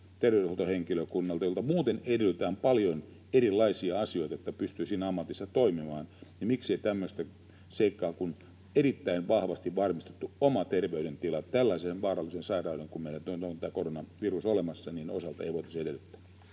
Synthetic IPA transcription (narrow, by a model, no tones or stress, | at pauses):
t̪erʋeyehot̪oheŋkiløkunːɑlt̪ɑjolt̪ɑmuːt̪enedelːyt̪æːmpɑljon | eɾilːɑisiɑɑsijo̞it̪ɑjot̪ːæpyst̪yːsiːnæɑmːɑt̪isːɑt̪oimimɑːnnɑmiksieit̪æmːøst̪æ | seikːɑːkun | eɾit̪ːæinʋɑhʋɑst̪iʋʋɑrmist̪e̥t̪ːuomɑt̪erʋeydent̪ilɑt̪ælːæisenʋɑːrɑlːisensɑirɑudeŋkummeiɾænt̪ont̪ont̪æːkoronɑʋirusolemɑsːɑniːnosɑlt̪ɑḛiʋoit̪ɑ̥siedelːyt̪ːæ̥ː